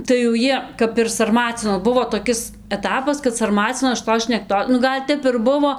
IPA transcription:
tɐɪ jɛʊ ˈjiɛ kɐp ɪr sɐrˈmɑːt͡sʲɪnoːs ˈbʊʋoː toːˈkʲɪs ɛˈtɑːpɐs kɐt sɐrˈmɑːt͡sʲɪnoːs ʃʲɪˈtoːs ʃʲnʲɛkˈtoː nʊ ˈɡɐlʲ ˈtʲɛp ɪr ˈbʊʋoː

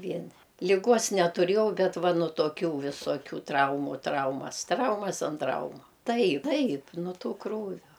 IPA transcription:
ˈʋʲiɛnʲɪ lʲɪˈɡoːs nʲɛtʊˈrʲeːjɛʊ ˈbʲɛt ˈʋɐ nʊ toːˈkʲʊ ʋʲɪsoːˈkʲuː ˈtrɐʊmʊ ˈtrɐʊmɐs ˈtrɐʊmɐs ɐn ˈtrɐʊmʊ ˈtɐɪ ˈtɐɪp nʊ ˈtuː ˈkruːʋʲoː

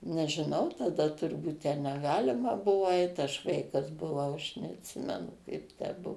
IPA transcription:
nʲɛʒʲɪˈnɐʊ tɐˈdɐ tʊrˈbuːt tʲɛn nʲɛˈɡɑːlʲɪmɐ ˈbʊʋoː ɐɪt ɐʃ ˈʋɐɪkɐs bʊˈʋɐʊ ɐʃ nʲɛɐtʲˈsʲɪmʲɛnʊ ˈkɐɪp tʲæː ˈbuɔ

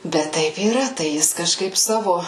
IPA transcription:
ˈbʲɛt ˈtɐɪp iːˈrɐ ˈtɐɪ ˈjɪs kɐˈʃkɐɪp ˈsɑːʋoː

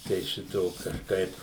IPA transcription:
tɐɪ ˈʃʲɪtoː kɐʃˈkɐɪp

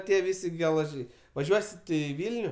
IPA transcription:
ˈtʲiɛ ˈʋʲɪsʲɪ ɡʲɛlˠɐˈʒʲɛɪ ʋɐˈʒʲuɔsʲɪ ˈtʊ ɪ ˈʋʲɪlʲnʲʊ

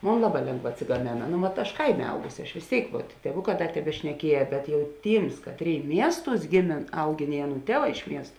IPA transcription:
ˈmoːn ˈlˠɑːˌbɑː ˈlʲeːŋɡˌʋɑː ɐtʲsʲɪɡɐˈmʲeːnɐ ˈnoː ʋɐt ɐʃ ˈkɐɪˌmʲeː ˈɐʊɡʊsʲɪ ɐʃ ʋʲeːs ˈtʲeːɪk ʋuɔt tʲiɛˈʋʊˌkɑː ˈdɐ tʲɛbʲɛʃʲnʲɛˈkʲiɛjɛ ˈbʲɛt jɛʊ ˈtʲiːms ˈkɑːtʲˌrʲeːɪ ˈmʲiɛsˌtuːs ˈɡʲeːˌmʲeːn ˈɐʊˌɡʲeːn ɪ ˈɑːˌnuː ˈtʲiɛˌʋɑː ɪʃ ˈmʲiɛst

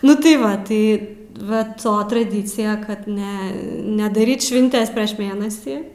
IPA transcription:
nʊ tɐɪ ˈʋɐ ˈtɐɪ ʋɐ ˈtoː trɐˈdʲiːt͡sʲɪjɛ kɐt ˈnʲɛ nʲɛdɐˈrʲiːt ʃʲʋʲɪnʲˈtʲɛs pʲrʲiɛʃ ˈmʲeːnɐsʲiː

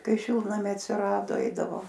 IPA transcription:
ˈkɐɪ ˈʃʲɪlˠtnɐmʲɛɪ ɐtʲsʲɪˈrɑːdoː ˈɛɪdɐʋoː

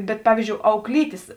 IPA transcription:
ˈbʲɛt ˈpɑːʋʲiːzʲd͡ʒʲoːʊ ɐʊklʲˈiːtʲeːs

